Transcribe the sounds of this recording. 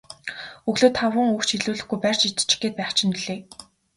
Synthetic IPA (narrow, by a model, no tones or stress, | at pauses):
ɵɣɮoːt̪ʰχawə̆ŋuxt͡ɕʰiɮuːɮɘ̆xɡujpær̥ʲt͡ɕit̪̆ʰt͡ɕɪ̥̆xɡeːt̪̚pæːχt͡ɕʰɪ̆niɮeː